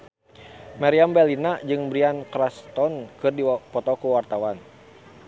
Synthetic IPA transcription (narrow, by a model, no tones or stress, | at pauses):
maɾiambɛlinad͡ʒɨŋbɾiankɾast̪ɔnkɨrdipɔt̪ɔkuwart̪awan